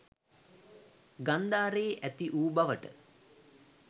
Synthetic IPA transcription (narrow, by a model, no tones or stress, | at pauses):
ɡand̪aːɾeːʔæt̪iʔuːbaʋəʈə̰